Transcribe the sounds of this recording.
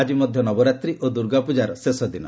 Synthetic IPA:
ad͡ʒimɔd̪ʱjɔnɔbɔɾat̪ɾiʔod̪uɾɡapud͡ʒaɾɔsesɔd̪inɔ

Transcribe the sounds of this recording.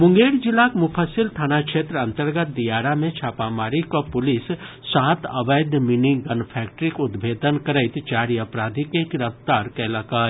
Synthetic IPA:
mʊ̃ŋɡeːɾd͡ʒɪlːakmʊpʰəsɪlʈ̪ʰaːnakʃeːt̪ɾəɐ̃nt̪əɾɡət̪̚d̪ijaːɾamẽt͡ʃʰaːpamaːɾikopʊlɪsː | aːt̪əbəjd̪miniɡənpʰɛːk̚ʈəɾikʊd̪bʱeːd̪ənkəɾəɪt̪t͡ʃaːɾiəpɾaːd̪ʱikekɾəft̪aːɾkɛləka

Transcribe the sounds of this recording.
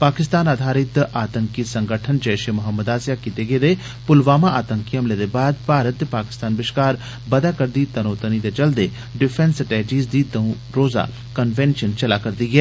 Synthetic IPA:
paːkɪst̪aːnaːd̪ʱaːɾɪt̪aːt̪əŋkisəŋɡəʈʰənd͡ʒəːʃemʊɦəmːəd̪aːsjaːkit̪eɡəed̪eː | pʊlʋaːmaʔaːt̪əŋkiɦəmled̪ebaːd̪paːɾət̪ːepaːkɪ̥st̪aːnbɪʃkaːɾ | bɐd̪aːkəɾd̪iːt̪ənoːt̪ənid̪eːt͡ʃəld̪e | ɖɪpʰɛ̃nsəʈeːd͡ʒiːzd̪iːt̪ə̃ũ | ɾoːza̰ː | kənʋɛnʃənt͡ʃɐlaːkɐɾd̪iːɡɛː

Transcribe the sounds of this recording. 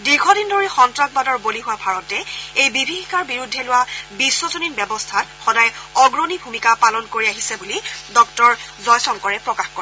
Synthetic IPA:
diɹxɔdindoɹixɔntɹaɡ̚badɔɹboliɦʊwabʱaɹɔtɛejbibʱixikaɹbiɹudʱːɛlʊwabisːɔzoninbɛbɔstʰatxɔdajɔɡɹonibʱumikapalɔnkoɹiaɦisɛbulidɔk̚tɔɹzɔjsɔŋkɔɹɛpɹɔkaxkɔɹɛ

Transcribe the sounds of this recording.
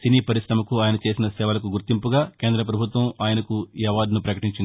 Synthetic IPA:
siniːpɐɾisɾɐmɐkuaːjɐnɐt͡ʃe̞ːsinɐsɛːʋɐlɐk̬uɡuɾt̪impuɡaːke̞ːnd̪ɾɐp̬ɾɐbʱut̪ʋɐmaːjɐnɐkujɐʋaːd̪nupɾɐkɐʈiɲt͡ʃind̪i

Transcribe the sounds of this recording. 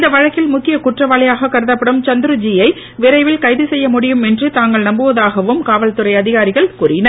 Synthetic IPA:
ɪnd̪ɐʋɐɻɐkːɪlmʊkːɪjɐkʊʈrɐʋaːɭɪjaːɣɐkːɐɾɯðɐpːɐɽɯmt͡ʃɐnd̪ɯɾɯd͡ʒijɐɪ | ʋɪɾɐɪʋɪlkɐɪðɯsɛjːɐmʊɽɪjɯmɛndrɯt̪aːŋɡɐɭnɐmbɯʋɐðaːɣɐʋɯmkaːʋɐlt̪ɯrɐɪɐðɪɣaːɾɪɣɐɭkuːrɪnɐɾ

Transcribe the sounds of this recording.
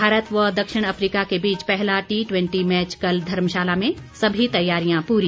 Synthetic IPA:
aːɾət̪ʋɐd̪ɐkʃɪɽ̃ɐfɾiːkakebiːt͡ʃpɛɦlaʈiːʈwɛ̃ɳʈimɛːt͡ʃkɐld̪ʱɐɾmʃaːlamẽ | sɐbʱit̪ɐjːaːɾijãpuːɾi

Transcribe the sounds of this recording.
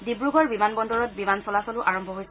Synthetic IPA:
dibɹuɡʱɔɹbimanbɔndɔɹɔt̚bimansɔlasɔlʊʔaɹɔmbʱɔɦojs

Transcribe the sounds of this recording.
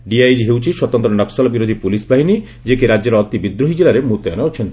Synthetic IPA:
ɖiajd͡ʒɦewt͡ʃʰiswɔt̪ɔnt̪ɾɔnɔksalɔbiɾod̪ʱipulisbʱaɦini | d͡ʒekeɾad͡ʒɔɾɔːt̪ibid̪ɾoɦid͡ʒelaɾemut̪ɔjɔnaot͡ʃʰen

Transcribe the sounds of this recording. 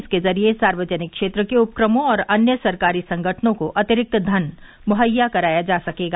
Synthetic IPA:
skezɐɾiesaːɾʋəd͡ʒənɪkːʃeːt̪ɾəkeʊp̚kɾəmõɔːɾɐnjəsɐɾkaːɾisɐ̃ŋɡʱəʈʰnõkoʔɐt̪ɪɾɪk̚t̪d̪ʱɐn | mʊɦəjːakɐɾaːjad͡ʒaːsɐkeːɡa

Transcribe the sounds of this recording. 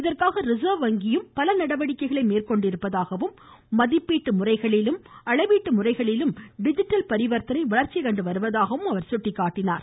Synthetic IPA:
ɪðɐrkaːɣɐɾɪzɐːʋɐŋɡɪjɯmpɐlɐnɐɽɐʋɐɽɪkːɐɪɣɐɭɐɪmeːrkɔɳɖɪɾɯpːɐðaːɣɐʋɯmː | ɐðɪpːiːʈːɯmʊrɐɪɣɐɭɪlɯmɐɭɐɪʋiːʈːɯmʊrɐɪɣɐɭɪlɯmɖɪd͡ʒɪʈːɐlpɐɾɪʋɐɾt̪ɐnɐɪʋɐɭɐɾt͡ʃːɪkɐɳɖɯʋɐɾɯʋɐðaːɣɐʋɯmɐʋɐɾsʊʈːɪkːaːʈːɪnaːɾ

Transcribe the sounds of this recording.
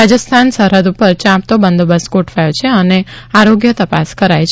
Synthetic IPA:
ad͡ʒəst̪ʰansəɾəd̪upəɾt͡ʃãp̚t̪obənd̪obasɡoʈfajot͡ʃʰeəneaɾoɡjət̪əpaskəɾajt͡ʃ

